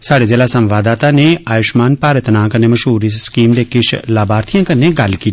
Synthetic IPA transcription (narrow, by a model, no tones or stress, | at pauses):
saːɽeːd͡ʒeːlaːsəmʋaːd̪aːt̪aːneːʔaːjʊʃmaːnpaːɾət̪nãːkənːeːməʃɦuːɾiːskiːmd̪eːkɪʃʰlaːbaːɾt̪ʰijãːkənːeːɡəlkiː